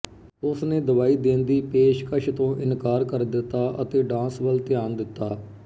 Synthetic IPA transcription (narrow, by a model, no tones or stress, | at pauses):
ʊsnẽːd̪əʋaːiːd̪ẽːnd̪iːpeːʃkəʃʰt̪õːʔɪnkaːɾkəɾd̪ɪt̪ːaːʔət̪eːɖãːnsʋəlt̪ɪjaːnd̪ɪt̪ːaː